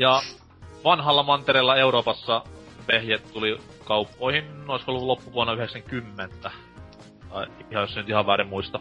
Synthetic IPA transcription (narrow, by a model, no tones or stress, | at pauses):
jɑ | ʋɑnhɑlːɑmɑnt̪eɾelːɑeuroːpɑsːɑʋehjet̪t̪ulikɑupːoˑihinoˑisolːulopːuʋuonːɑyheksæŋkymːent̪æ | ɑiipihɑjosenyt̪ihɑʋʋæːɾimmuist̪ɑ